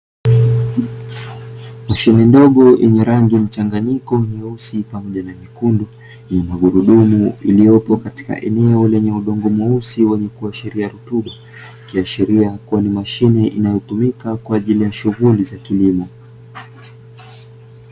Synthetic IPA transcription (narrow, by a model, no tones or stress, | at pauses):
maʃinɛndɔɠɔʔɛ̰ɲɛɾaŋɡim̩t͡ʃaŋɡaɲikɔniusipamɔʄanamikundu | nɛmaɠuɾuɗumuilijɔpɔkati̥ka̰ʔɛ̰nɛɔlɛɲɛuɗɔŋɡɔmɔusiwɛɲɛkuaʃiɾiaɾutuɓa | kiaʃiɾiakuanimaʃinɛʔinajɔtumikakwaːʄilijaʃuɣulizakilimɔ